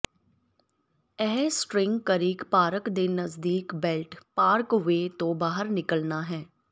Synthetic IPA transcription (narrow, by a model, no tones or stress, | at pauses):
ɛːsʈɾɪ̃ŋɡkəɾiːkpaːɾəkd̪eːnəzd̪iːkbɛlʈpaːɾkʋeːt̪õbaːɦəɾnɪkəlnaːɦɛː